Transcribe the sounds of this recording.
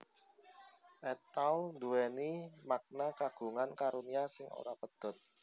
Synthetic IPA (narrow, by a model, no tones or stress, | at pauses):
ʔet̪awnd̪uɛnimak̚nakaɡ̥ṳŋankaɾuniasɪŋo̰ɾapəd̪̥ɔ̤t̪̚